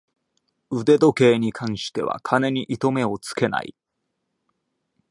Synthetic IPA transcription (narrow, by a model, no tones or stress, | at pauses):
ɯ̟d̪e̞d̪o̞ke̞ːɲ̟ikʰãɰ̃ɕi̥t̪e̞βa̰kʰane̞ɲ̟iʔit̪o̞me̞o̞t͡sɨ̥ke̞na̰ḭ